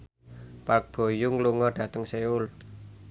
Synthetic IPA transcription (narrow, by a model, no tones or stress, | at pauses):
pak̚b̥o̤jʊŋluŋɔɖ̥ä̤t̪əŋseʊl